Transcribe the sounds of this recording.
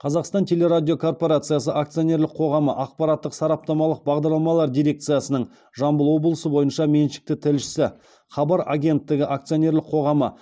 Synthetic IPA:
qʰɑzɑqst̪ɑnt̪ʲʰe̞lʲe̞ɾad̪ʲijo̞kʰo̞rpo̞ɾat̪sɨjasəʔakt̪sɨjonʲe̞ɾlɪqʰo̞ʁɑməʔɑq̚pɑɾɑt̪ːəqsɑɾɑp̚t̪ɑmɑlˠəq̚bɑʁd̪ɑɾlˠɑmɑlˠɑɾd̪ijɾe̞k̚t̪sɨjasənəɴ | ʒɑmbəlˠwo̞bəlˠəsəbo̞jənʃɑme̞nʃɪ̥k̚t̪ɪt̪ʰɪlʃɪ̥sɪ | χɑbɑɾa̰ɡʲe̞nt̪ːɪɡʲɪʔakt̪sɨjo̞nʲe̞ɾlɪqʰo̞ʁɑmə

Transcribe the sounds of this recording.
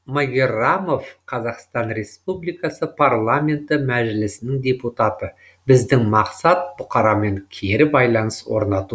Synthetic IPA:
maɡʲeramo̞fqʰɑzɑqst̪ɑnɾe̞spublijkɑsəpʰarlˠamʲe̞nt̪ɪmæʒɪlɪsɪnɪŋd̪ʲe̞put̪ɑt̪ə | bɪzd̪ɪŋmɑqsɑt̪̚bʊqɑɾɑme̞ŋkʲʰe̞ɾɪbɑjlˠɑnəswo̞̰ɾnɑt̪u

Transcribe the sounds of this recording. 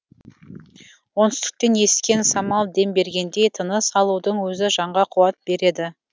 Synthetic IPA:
wo̞nʏst̪ɪ̥k̚t̪e̞nje̞sɪ̥kʲe̞nsɑmɑlˠd̪e̞mbe̞ɾɡʲe̞nd̪e̞jt̪ʰənəsɑlˠud̪əɴwɵzɪʒɑɴʁɑqʰuwɑt̪̚be̞ɾe̞d̪ɪ

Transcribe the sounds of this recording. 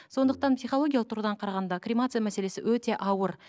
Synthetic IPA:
so̞nd̪əq̚t̪ɑnpsijχolˠo̞ɡʲijalˠq̚t̪ʰuɾd̪ɑɴqʰɑɾɑʁɑnd̪ɑkrʲimat̪sɨjamæsele̞sɪwɵt̪e̞ʔɑwəɾ

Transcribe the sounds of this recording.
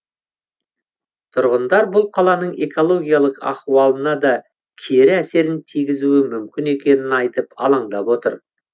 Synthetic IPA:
t̪ʰʊɾʁənd̪ɑɾbʊlˠqʰɑlˠɑnəɴe̞ko̞lˠo̞ɡʲijalˠəqɑ̰χuwɑlˠənɑd̪ɑ | kʲʰeɾɪæse̞ɾɪnt̪ʰijɡʲɪzuɪmʏmkʲɪne̞kʲe̞nɪnɑjt̪əpɑ̰lˠɑɴd̪ɑpwo̞t̪ə̰ɾ

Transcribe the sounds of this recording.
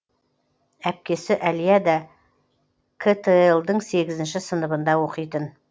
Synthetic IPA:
æp̚kʲe̞sɪʔæljad̪a | kʰet̪ʰeelˠd̪əɴse̞ɡʲɪzɪnʃɪsənəbənd̪ɑwo̞qəjt̪ən

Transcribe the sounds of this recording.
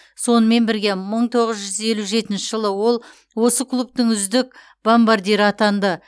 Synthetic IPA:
so̞nəme̞nbɪɾɡʲe̞məɴt̪ʰo̞ʁəzʒʏze̞luʒe̞t̪ɪnʃɪʒəlˠəwo̞lˠ | wo̞səkʰlˠupt̪əŋʏzd̪ɪk | bo̞mbaɾd̪ʲeɾɪɑt̪ɑnd̪ə

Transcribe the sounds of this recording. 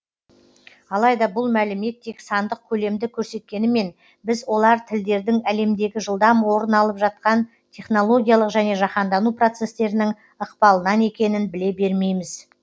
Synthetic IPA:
ɑlˠɑjd̪ɑbʊlˠmælɪme̞t̪ʰːe̞ksɑnd̪əq̚kʲʰɵle̞md̪ɪkʲʰɵɾse̞t̪̚kʲe̞nɪme̞n | bɪzwo̞lˠɑɾt̪ʰɪld̪e̞ɾd̪ɪŋæle̞md̪e̞ɡʲɪʒəlˠd̪ɑmwo̞ɾənɑlˠəpʒɑt̪̚qɑn | t̪ʲʰe̞χno̞lˠo̞ɡʲijalˠəqʒæne̞ʒɑqɑnd̪ɑnupro̞t̪se̞st̪e̞ɾɪnɪŋ | əqpɑlˠənɑne̞kʲe̞nɪnbɪle̞be̞ɾme̞jmɪz̥

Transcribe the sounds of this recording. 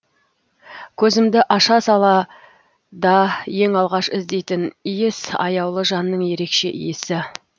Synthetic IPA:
kʲʰɵzɪmd̪ɪʔɑʃɑsɑlˠɑ | d̪ɑje̞ŋɑlˠʁɑʃɪzd̪ejt̪ɪnijɪsɑ̰jɑwlˠəʒɑnːəɴje̞ɾe̞kʃe̞̰ʔḭjɪsɪ

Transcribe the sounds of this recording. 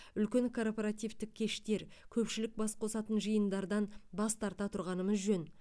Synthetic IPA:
ʏlkʲe̞ŋkʰo̞rpoɾat̪ijvt̪ɪkʲʰːe̞ʃt̪e̞ɾkʲʰɵpʃɪlɪk̚bɑsqʰo̞sɑt̪ənʒəjənd̪ɑɾd̪ɑnbɑst̪ʰɑɾt̪ɑt̪ʰʊɾʁɑnəməzʒɵn

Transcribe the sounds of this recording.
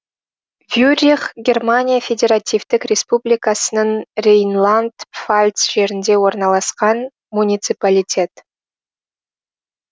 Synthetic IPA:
vʲjurʲiχɡʲe̞rmanʲijafʲe̞dʲe̞ɾat̪ʲijvt̪ɪkrʲe̞spublʲijkasənəɴrʲejnlˠand̪falʲt̪sʒ̥e̞ɾɪnd̪e̞wo̞ɾnɑlˠɑsqɑn | munʲijt̪sɨpalʲit̪ʲʰe̞t̪

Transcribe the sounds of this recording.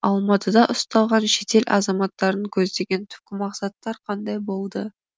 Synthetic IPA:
ɑlˠmɑt̪ʰəd̪ɑʔʊst̪ɑlˠʁɑnʃe̞t̪e̞lʲʔɑ̰zɑmɑt̪ːɑɾəŋkʲʰɵzd̪e̞ɡʲe̞nt̪ʰʏ̥p̚kʲɪmɑqsɑt̪ːɑɾqʰɑnd̪ɑjbo̞lˠd̪ə

